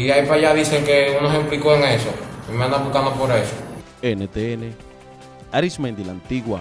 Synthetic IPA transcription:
iaipaʝaðiseŋkeunosemplikoeŋesoimãnd̪aβukand̪opoɾeso | enet̪eene | aɾismẽnd̪ilant̪iɣwa

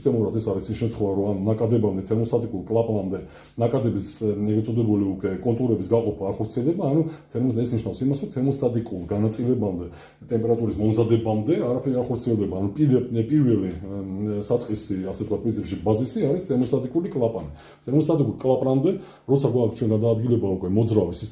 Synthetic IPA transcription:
st̪ʼɛmuɾat̪ʰɛsaɾisiʃɛmt̪ʰχwɛvaɾɔannakʼad̪ɛbamd̪ɛt̪ʰɛɾmɔst̪ʰʼat̪ʼikʼulˠkʼlˠapʼɾamd̪ɛ | nakʼad̪ɛbisɛɡɾɛt̪sʼɔd̪ɛbuliukʼwɛkʼɔnt̪ʼuɾɛbisɡaqʼɔpʰaːχɔɾt̪sʰiɛlˠd̪ɛbaːnut̪ʰɛɾmɔɛsniʃnafsimasɾɔt̪ʰɛɾmɔst̪ʼat̪ʼikʼulˠɡanat̪sʼilɛbamd̪ɛ | t̪ʼɛmpʼɛɾat̪ʼuɾismɔmzad̪ɛbamd̪ɛaɾapʰɛɾiɡaχɔɾt̪sʰiɛlˠd̪ɛbaːnupʼiɛpʼiɾvɛli | sat̪sʰʼqʼisiasɛt̪̚ʰkʰwat̪pʼɾinsipʃibazisiaɾist̪ʰɛɾmɔst̪ʼat̪ʼikʼulikʼlˠapʼanɛ | t̪ʰɛɾmɔst̪ʼat̪ikʼulˠkʼlˠapʼɾamd̪ɛ | ɾɔt̪sʰaɡak̚ʰt̪ʰt͡ʃʰwɛnɡad̪aːd̪ɡilɛbaukʼwɛmɔd̪zɾavisi

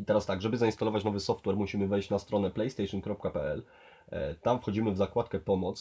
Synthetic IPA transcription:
it̪ɛɾast̪aɡʐɛbɘzainst̪alɔvat͡ɕnɔvɘsɔft̪wɛɾmuɕimɘvɛjɕt͡ɕnast̪ɾɔnɛplɛjst̪ɛjʂɔnkɾɔp̚kapɛɛl | t̪amfxɔd͡ʑimɘvzakwat̪kɛpɔmɔt̪s

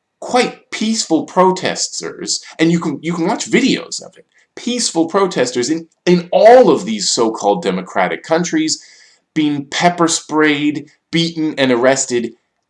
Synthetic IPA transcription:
kʰw̥aɪt̚pʰisfl̩ˠpʰɹ̥oʊtʰɛ̰stə̰˞z̥ɨ̃njɨknjɨkʰn̩wɑt͡ʃvɪɾio̰ʊz̥ʌ̰vɨt̚ | pʰisfl̩ˠpʰɹ̥oʊtʰɛstə˞zɨ̃n | ɪ̃nɔlˠʌvðiz̥soʊkʰɔlˠdɛmɨkʰɹ̥æ̰ɾɨ̰kʰːʌ̃nt͡ʃɹ̥iz | b̥iɪ̃ŋpʰɛpə˞spɹeɪd̚ | b̥iʔn̩ɨ̃nə˞ɛstɨd

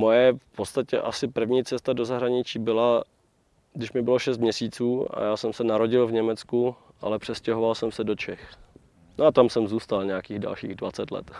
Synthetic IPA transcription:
mojɛfpot̪st̪acɛ̰ʔasɪpr̩vɲiːt͡sɛst̪adozaɦɾaɲɪt͡ʃiːbɪla | ɡdɪʃmɪbɪlo̞ʃɛs̬t̪̚mɲɛsiːt͡suːa̰jaːsɛmsɛnaɾo̞ɟɪlvɲɛmɛt͡sku | ʔa̰lɛpr̥ɛscɛɦovalsɛmsɛdo̞t͡ʃɛx | noat̪amsɛmzuːst̪alɲɛakiːɣda̰lʃiːɣdva̰t͡sɛt̪lɛ̰t̪

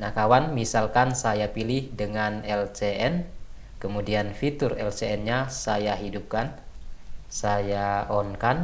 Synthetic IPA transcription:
nakawanmisalkansajapilihdəŋanɛlt͡ʃeʔɛn | kəmudianfit̪ʊrɛlt͡ʃeɛnɲasajaɦidup̚kan | sajaɔnkan

